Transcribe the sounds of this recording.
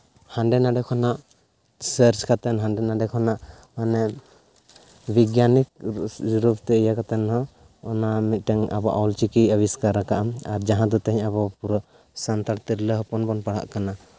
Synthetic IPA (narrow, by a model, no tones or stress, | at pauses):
hanɖɛnaɖɛkʰɔnaʔ | səɾt͡ʃkat̪ɛnɦanɖɛnaɖɛkʰɔnaʔ | manɛ | biɡjanik̚d͡ʒuɾupt̪ɛijakat̪ɛnɦɔ | ɔnamit̪̚ˀʈɛŋa̰bɔ̰ʔawlt͡ʃikiəβiskaɾakaʔamaɾd͡ʒaɦãd̪ɔt̪ɛɦiɲaβɔpuɾɔ | sant̪aɽt̪iɾləɦɔpɔnbɔnpaɽ̤a̰ʔkana